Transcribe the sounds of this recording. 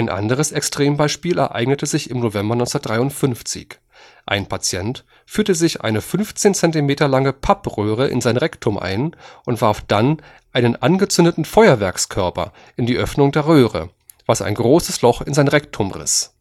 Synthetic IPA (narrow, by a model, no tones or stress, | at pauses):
ʔaɪnʔa̰ndəʁəsɛkstʁ̥eːmbaɪʃpiːlɛ̰ɐʔa̰ɪɡnətəzɪçɪmnovɛmbɐnɔʏt͡ssɐt̚d̥ʁaɪʊntfʏnft͡sɪ̰ç | ʔa̰ɪnpʰat͡sjɛnt | fyːɐtəzɪçʔa̰ɪnəfʏnft͡seːnt͡sɛntimeːtɐlaŋəpʰapʁøːʁəʔɪ̰nzaɪnʁɛktʰʊmʔa̰ɪnʔʊntv̥aɐfd̥an | ʔaɪnənʔanɡət͡sʏndətn̩fɔʏɐvɛɐkskʰœɐpɐ̰ | ʔɪndiːʔœfnʊŋdeːɐʁøːʁə̰ | v̥asa̰ɪnɡʁoːsəslɔχɪnzaɪnʁɛktʰʊmʁɪ̰s